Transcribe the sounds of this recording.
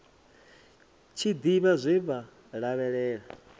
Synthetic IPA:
t͡ʃʰid̪iβazʷiβa | ɺaβɛɺɛːɺa

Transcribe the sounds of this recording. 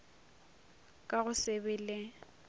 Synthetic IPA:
kʼaɣʊsɪbɪlɪ

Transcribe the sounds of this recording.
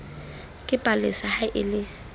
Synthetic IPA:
kʼɪpʼalɪ̰sahaʔɪ̰lɪ

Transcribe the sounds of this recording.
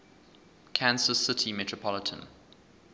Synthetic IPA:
kʰãnsəsɪtʰimɛtʰɹəpʰɔlətʰə̰̃n

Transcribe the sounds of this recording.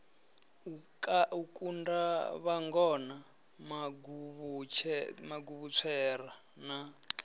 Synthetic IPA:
ukaukʼundaβaŋɡɔna | maɡuβt͡ʃʰmaɡuβut͡sʰɛːra | na

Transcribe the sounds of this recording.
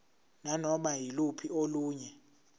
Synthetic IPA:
nanɔmajilupʰioluːɲɛ

